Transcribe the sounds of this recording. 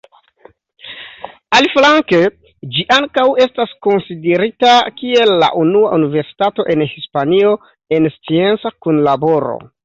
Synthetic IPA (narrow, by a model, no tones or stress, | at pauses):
alflaŋke | d͡ʒiʔaŋkawe̞stasko̞nside̞ɾitakie̞lːa̰ʔunuaʔunive̞ɾsi̥tato̞ʔe̞nhispanio̞ | e̞nst͡sie̞nt͡sakunlabo̞ɾo̰